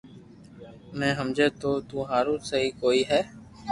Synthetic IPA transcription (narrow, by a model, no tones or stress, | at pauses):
mɛ̃ːɦəmd͡ʒeːt̪oːt̪uːɦaːɾũːsəɦiːkoːiːɦɛː